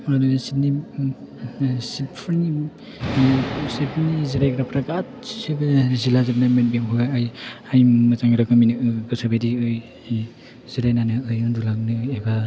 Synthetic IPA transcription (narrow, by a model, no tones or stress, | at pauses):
dusini | sipʰɯni | sipniziɾajɡɾapʰɾakat̚sibzilazab̚namenbeŋɦuajajmazaŋɾaɡɯminɯɡɯsabadiɯj | z̥iɾajnanɯɯjundulak̚nɯjajba